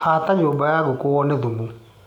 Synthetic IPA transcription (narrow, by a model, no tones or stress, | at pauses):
hataɲoːbajaɣokoɔnɛðumu